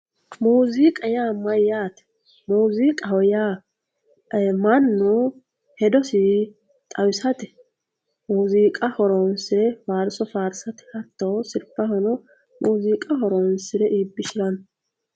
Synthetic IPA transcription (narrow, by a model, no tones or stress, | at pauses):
muːzikʼɐjaːmɐjːaːt̪ɛ̥ | muːzikʼɐhɔjaː | mɐnːɔ | hɛd̪ɔsɪ | t̪ʼɐwɪsɐt̪ɛ̥ | muːziːkʼɐhɔɾonsɪɾɛfaːɾsɔfaːɾsɐt̪ɪ̥hɐt̪ːoːsɪɾpːɐhɔnɔ | mʔuːziːkʼɐhɔɾɔːnsɪɾɛʔiːbːɪʃɪɾɐn